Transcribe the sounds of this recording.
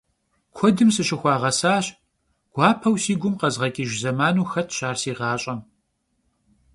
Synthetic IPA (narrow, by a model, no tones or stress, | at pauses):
kʷʰɔdɨmsɨɕɪxʷɑːʁɐsaːɕ | ɡ̥ʷaːpʰɐwsiːɡʷʊmqɐzʁɐkʲʼiʒzɐmaːnuːxɐtʰɕaːrsiːʁɑːɕʼɐm